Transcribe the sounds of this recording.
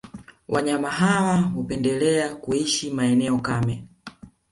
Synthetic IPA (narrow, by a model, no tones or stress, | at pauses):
wʔa̰ɲamaɦawaɦupɛndɛlɛakuiʃimaɛnɛɔkamɛ